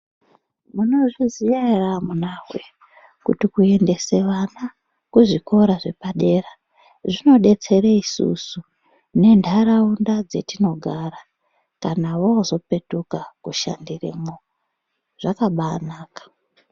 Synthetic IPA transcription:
muno̞ʐizijaramunawwe | kutikue̞nde̞seʋana | kuʐiko̞ɾaʐe̞paɗe̞ra | ʐino̞ɗe̞t͡se̞ɾeisṵsu | ne̞ndʱaɾaundad͡ze̞tino̞ɡʱaːra | kanawoozo̞pe̞tukakuʃa̰ndirḛmo | ʐ̥akaɓanaːkḁ

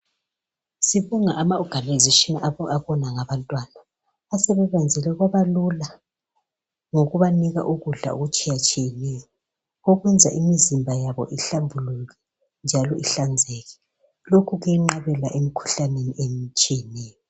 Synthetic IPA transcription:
siβuŋaʔamaɔɡ̥ʱanizeʃiniʔaaβɔnaŋaβantʼwanaː | sɛβɛβand͡zʱɛlɛɣwaβalula | ŋoɣuβaniɣa̰ʔuɣuɮa̰ṵɣut͡ʃʼijat͡ʃʼijɛnɛjɔ | oɣwɛnd͡zʱaʔimizimbʱajaβɔ̰ʔiɬambʱuluɣɛ | nd͡ʒʱalɔʔiɬand͡zʱɛːɣɛ̥ | lokʰuɣujɛŋ͡ǃaβɛlaʔemikʰu̥ɬaneniʔemt͡ʃʼijɛnɛːjɔ

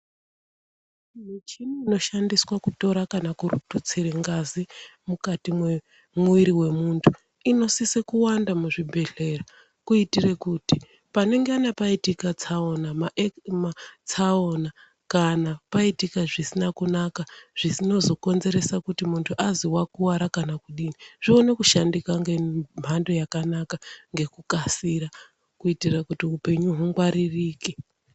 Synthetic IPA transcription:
n̤it͡ʃinuino̞ʃandiswakuto̞ɾakanakuɾṵtut͡siɾeŋɡazimukatimwe | muiɾiwe̞muntʰu | ino̞sisekuwandamuʐibʱe̞ɮe̞ra | kuitire̞kuti | pane̞ŋɡeanapaitikat͡sao̞namaʔmat͡saona | kanapaitikaʐisinakunakaʐ̥isino̞zo̞ko̞nze̞ɾe̞sakutimuntʰuʔaziwakuwaɾakanakuɗiniʐ̥io̞ne̞kuʃandikaŋɡem̤ʱando̞jakanakaŋɡe̞kukasiɾa | kuitirakutiupe̞ɲuɦuŋɡwaɾiriːki

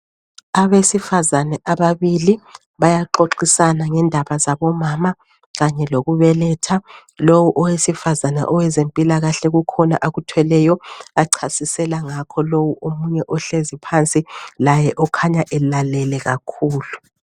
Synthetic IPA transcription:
aβesifazanɛʔaβaβili | βajaǃoǁisanaŋɛndʱaβazaβɔmaːma | ɣaɲɛloɣuβɛlɛtʰa | lowuʔɔwesifazanɛ̰ʔɔwɛzempʼilaɣaɬɛɣukʰɔna̰ʔaɣutʰwɛlɛjɔaǀʰasisɛlaŋakʰɔlowuʔomuɲɛʔɔɬezipʰant͡sʼilajɛʔɔkʰaɲaʔɛlalɛlɛɣakʰuːlu

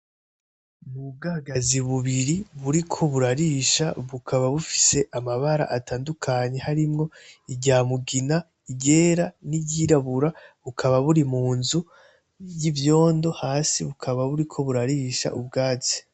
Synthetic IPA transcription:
nub̚ɡaɡaziβuβiɾiβuɾikʰo̞βuɾaɾiːʃaβukʰaβaβufi̥se̞ʔamaβaɾa̰ʔataːndukʰaɲe̞haɾimŋo̞iɟaːmuɡina | iɟe̞ːɾaniɟiɾaβuɾaβukʰaβaβuɾimuːnzu | jivjo̞ːndo̞haːsiβukʰaβaβuɾikʰo̞βuɾaɾiːʃa̰ʔubɡaːt͡si̥

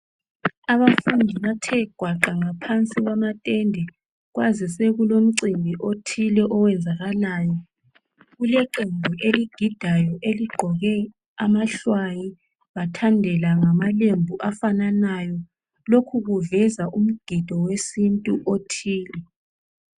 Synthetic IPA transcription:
aβafundʱiβatʰɛɡ̥ʱwaǃaŋapʰant͡sʼiɣwamatʼɛndʱɛ | ɣwazisɛɣulom̩ǀimbʱiʔotʰilɛʔɔwɛnd͡zʱaɣalaːjɔ | ɣulɛǃembʱuʔeliɡ̥ʱid̥ʱajɔʔeliɡ͡ǃʱɔɣɛ | amaɬwaji | βatʰandʱɛlaŋamalembʱuʔafananajɔ | lokʰuɣuvɛzaʔum̩ɡ̥ʱid̥ʱɔwesintʼuʔotʰiːlɛ

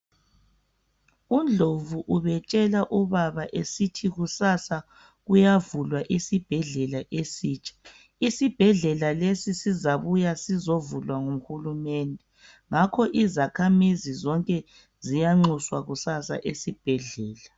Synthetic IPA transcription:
und͡ɮʱovuʔuβɛt͡ʃʼɛlaʔuβaβaʔesitʰiɣusasa | ɣujavulwaʔisib̥ʱɛɮɛlaʔesiːt͡ʃʼḁ | isib̥ʱɛɮɛlalesisizaβujasizovulwaŋuxulumɛndʱɛ | ŋakʰɔʔizakʰamizizɔŋkʼɛ | zijaŋ͡ǁuswaɣusasa̰ʔesib̥ʱɛɮɛːla

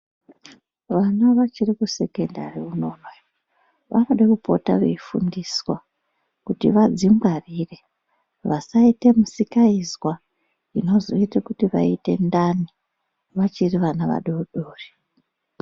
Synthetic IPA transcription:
ʋanaʋat͡ʃirikuse̞kendariuno̞nwe | ʋa̰noɗekupotaʋeifṵndiswa | kutḭʋad͡zimɡariːre̞ | ʋasaite̞musikaizwa | ino̞zo̞itekutiʋa̰ite̞̰ndani | ʋat͡ʃiriʋanaʋa̰ɗouɗoːri̥

